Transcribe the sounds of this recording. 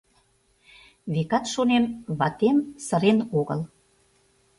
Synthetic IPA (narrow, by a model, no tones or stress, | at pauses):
βekɑt̪ʃonemβɑt̪emsə̆ɾenoɣə̰l